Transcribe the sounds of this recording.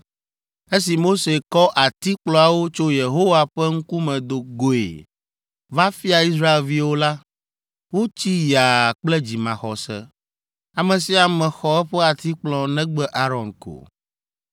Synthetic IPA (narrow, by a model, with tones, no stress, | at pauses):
e˦s̬i˨mo˦se˨kɔ˦ʔa˨t̪i˦k͡plɔ̃˨a˨wo˦t͡ʃo˦je˨ɦo˦wa˨ɸɛ˦ŋ̩˦ku˦mɛ̃˨d̪o˨ɡo˨ḛ˨ | va˦fi˦a˨i˦s̬ɾa˦e˨lvi˦wo˦la˦ | wo˦t͡ɕi˦ja˨k͡plɛ˦d͡ʑi˨mã̰˨xɔ˨sɛ̰˦ | a˨mɛ̃˨si˦a˨mɛ̃˨xɔ˨ɛ˦ɸɛ˦a˨t̪i˦k͡plɔ̃˨nɛ̃˦ɡ͡bɛ˦ʔa˦ɾɔ˨nko̰˨